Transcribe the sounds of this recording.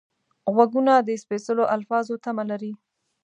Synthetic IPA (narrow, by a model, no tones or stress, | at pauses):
ɣwaɡunad̪əɪspesəloʔalfɑzot̪amalaɾi